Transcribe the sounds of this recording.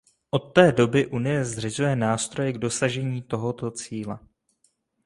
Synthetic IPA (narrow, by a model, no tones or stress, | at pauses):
ʔo̞t̪ːɛːdo̞bɪʔunɪjɛzrɪzujɛnaːst̪ɾo̞jɛɡdo̞saʒɛɲiːt̪o̞ɦo̞t̪o̞t͡siːlɛ